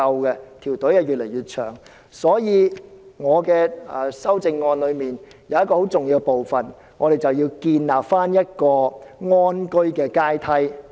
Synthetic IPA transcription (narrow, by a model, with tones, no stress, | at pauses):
ɐ˧wkɛ˧t̪ʰiː˨˩wt̪ɵ˨˥ja˨˧ɥy˨t̚le˨˩jɥyː˨t̚t͡ʃʰœ̰ː˨˩ŋ | sɔː˨˥jiː˨˧ŋɔː˨˧kɛː˧˨˩sɐ˥wt͡sɪ˧ŋːɔː˧nlɵ˨˧ɥmiː˨˩n | jɐ˨˧wjɐ˥t̚kɔː˧ho˨˥wt͡sʊ˨ŋjiː˧wkɛ˧po˨wfɐ˨˩n | ŋɔː˨˧ɾe˨jt͡sɐ˨˩wjiː˧wkiː˧nlaː˨pfaː˥njɐ˥t̚kɔː˧ŋɔː˥nkɵ˥ɥkɛː˧kaː˥jt̪ʰɐ˥j